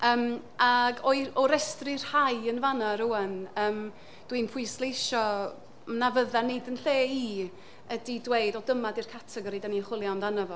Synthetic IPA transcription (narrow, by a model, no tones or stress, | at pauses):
əːmaɡɔjɔɾɛstrɪr̥hajənvanaɾuənəːm | d̥winpʰʊɨslˠeɪʃɔ | mnavəðanejdənɬeːiː | ədidwejdɔdəmadirkʰatʰɛɡɔɾidaniəχwɪlˠjanðanəvɔ